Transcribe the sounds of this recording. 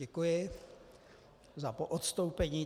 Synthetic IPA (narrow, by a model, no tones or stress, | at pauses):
ɛkujɪ | zapoʔot̪st̪owpɛɲiː